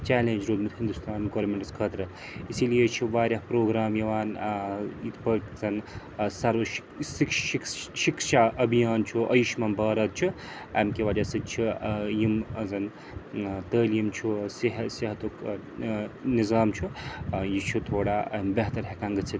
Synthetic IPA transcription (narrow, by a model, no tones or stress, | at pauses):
t͡ʃɛːlend͡ʒɾoːlmet̪ʰɦind̪ust̪aːnɡoːɾmeɳʈɐskʰəːt̪ɾɐ | isilijet͡ʃʰiʋaːɾʲjaɦpɾoːɡɾaːmjɐʋaːn | it̪ʰpəʈzɐn | saːɾʋɐʃi̥ksikikʃikʃaʔɐbʱijaːnt͡ʃʰuʔɐjuʃmɐmbaːɾɐt̪̚t͡ʃʰi | ɐmkeʋaːd͡ʒasɐt͡ʃʰijimzɐn | t̪əːljimt͡ʃʰuseɦseɦɐt̪oːk | nizaːmt͡ʃʰujit͡ʃʰut̪ʰoːɽambɐɦt̪ɐɾɦekãːŋɡɐt̪sʰi